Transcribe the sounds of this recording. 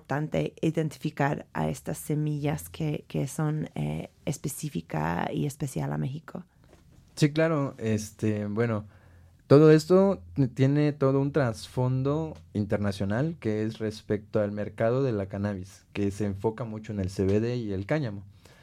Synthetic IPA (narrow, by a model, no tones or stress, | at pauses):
ɾt̪ant̪e̞̰iðent̪i̥fikaɾa̰e̞̰st̪asːe̞miʝaskʰekesonḛespesifika̰ḭespesja̰la̰me̞xikʰo̞ | siklaɾo̞est̪ebweno̞ | t̪o̞ðo̞e̞st̪o̞t̪je̞ne̞t̪o̞ðount̪ɾasfo̞nd̪o̞int̪e̞ɾnasjo̞nalke̞esre̞spe̞k̚t̪oalme̞ɾkað̞o̞ðe̞lakanaβis | ke̞se̞ːɱfo̞kamut͡ʃo̞ene̞lseβeðeie̞lkaɲamo